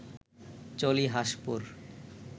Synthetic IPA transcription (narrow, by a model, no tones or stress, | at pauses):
t͡ɕoliɦaʃpuɾ